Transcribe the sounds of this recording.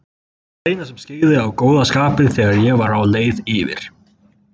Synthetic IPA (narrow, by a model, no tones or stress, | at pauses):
θeːjnasɛmscɪːðɪawkoːwðaskaːpɪðθɛːɣaɾjɛvaɾawleːjðiːvɪ̰ɾ̥